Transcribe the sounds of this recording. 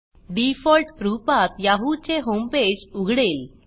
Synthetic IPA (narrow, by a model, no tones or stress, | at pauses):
ɖifɔlʈpɾupat̪jaɦut͡ɕeɦomped͡ʑuɡʱɽel